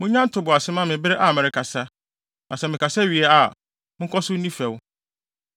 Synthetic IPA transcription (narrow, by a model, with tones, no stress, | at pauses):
mʊ̃˦ɲã˦n˦tʰʊ˨bʊ˨a˨sɪ˦mã˦mɪ̃˨bɪ˦ɾɪ˦ʔa˨mɛ˨ɾɪ˨kʰa˨sa˦ | nã˨sɛ˨mɪ̃˨kʰa˨sa˦ɥi˨ɛ˨a˨ | mɪ̃˦kʰɔ˦sʊ˦nĩ˦fɛ˨w